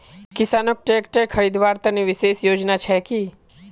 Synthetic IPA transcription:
kɪsaːnək̚ʈeːkʈekʰəɾid̪ʋaːɾt̪ɐniʋɪseːsjoːd͡ʒnat͡ʃʰɛki

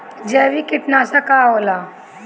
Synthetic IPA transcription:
d͡ʑɛʋikiʈnasakaola

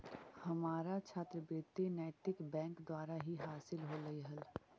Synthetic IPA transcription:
hɐmaːɾat͡ʃʰaːt̪ɾəbeːt̪inɛːt̪ɪkbɛ̃ːŋkd̪waːɾaɦiɦaːsɪlɦolɐiɦɐl

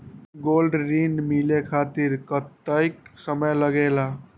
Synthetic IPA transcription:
ɡolɖɾinmilekʰat̪iɾkət̪ːəjksəməjləɡela

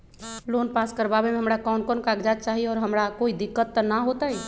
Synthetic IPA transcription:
loːnpaːskəɾbaːbemẽɦəmɾakɔːnkɔnkaːɡd͡ʒaːt͡ʃaːɦiɔːɾɦəmɾakoːid̪ɪkːət̪ːnaɦoːt̪aɛ

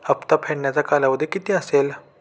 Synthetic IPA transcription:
əpt̪apʰeɳjat͡sakalaʋəd̪ʱikit̪eəseːl

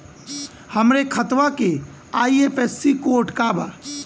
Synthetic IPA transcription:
həmɾekʰət̪wake | aːieːpesːikoʊʈʰkaba̰ː

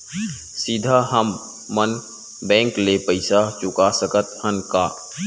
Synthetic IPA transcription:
sid̪ʱaɦəmː | ən | bɛ̃ːŋklepəɪsat͡ʃʊkasəkət̪hənkaː

